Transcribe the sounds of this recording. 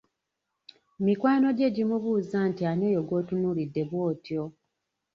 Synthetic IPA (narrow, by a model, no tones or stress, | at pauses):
mikwaːno̞ɟe̞ɟimuβuːzantiane̞ːjo̞ɡo̞ːtunuːlidːe̞βwo̞ːtjo̞